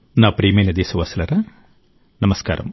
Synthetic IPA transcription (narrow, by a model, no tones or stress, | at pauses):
naːpɾiːmenɐd̪eːsɐʋɐsɐlɐɾɐ | nɐmɐska̰ːɾɐ̰m